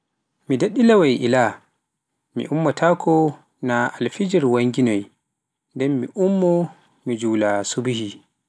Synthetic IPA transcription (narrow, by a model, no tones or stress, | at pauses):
mideɗːilawajʔila | mḭʔumːɔtʰaːkʰɔ | naalfid͡ʒiɾwaŋɡinɔj | ndɛmːiʔumːɔ | mid͡ʒulasubihi